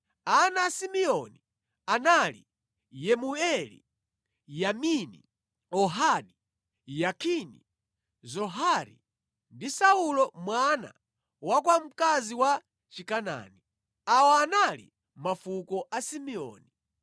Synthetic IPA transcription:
anaːsimiɔni | analḭ | jɛmuɛlḭ | jaminḭ | ɔɦaɗi | jakʰinḭ | zɔɦaɾḭ | ndisaulɔmwana̰ | wakwam̩kaziwa | t͡ʃikana̰ni | awɔanalḭ | mafukɔʔasimiɔ̰ːni

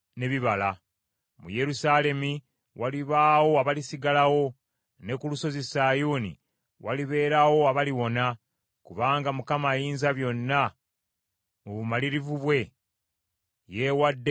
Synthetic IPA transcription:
ne̞βiβala | mṵje̞ɾusaːle̞mi | waliβaːwo̞aβalisiɡalawo̞ | ne̞kuluso̞zisaːjuːnḭ | waliβe̞ːɾawo̞aβaliwo̞na | kuβaːŋɡamukamajiːnzaβjo̞nːa | oβumaliɾivuβwe̞ | je̞wadːe

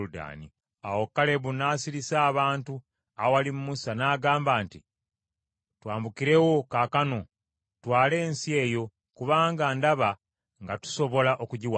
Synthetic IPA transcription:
uda̰ːnḭ | awo̞kːale̞βunaːsiɾisaːβaːntu | aowalimumusanaːɡaːmbaːnti | twaːmbukiɾe̞wo̞kakano̞ | twaːle̞ːnsie̞ːjo̞ | kuβaːŋɡandaβa | ŋɡatu̥so̞βo̞laʔo̞kuɟiwa

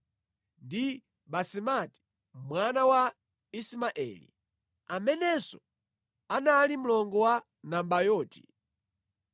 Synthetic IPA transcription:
ndi | ɓasimati̥ | mwanawa | ismaʔɛ̰lḭ | amɛnɛsɔ | analim̩lɔŋɡɔwa | nambajɔːtʰi̥̰

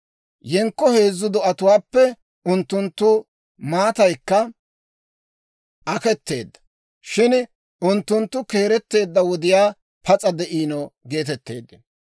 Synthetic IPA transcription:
jɛŋkːɔhe̞ːzːʊd̪ɔɐt̪ʊwaːpːɛ | ʊnt̪ːʊnt̪ːʊ | maːt̪ɐjkːɐ | ʔɐkɛt̪ːe̞̰ːd̪ːɐ̥ | ʃɪn | ʊnt̪ːʊnt̪ːʊke̞ːɾɛt̪ːe̞ːd̪ːɐwɔd̪ɪjaː | pʰɐt͡sʼɐd̪ɛʔiːnɔɡe̞ːt̪̬ɛt̪ːe̞̰ːd̪ːɪn

